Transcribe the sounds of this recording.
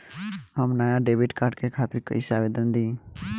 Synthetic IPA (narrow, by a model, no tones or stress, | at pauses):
ɦəmnajaɖeːʋɪʈkaːɾʈkekʰaːt̪ɪɾkə̰isaʋeːd̪ənd̪ĩː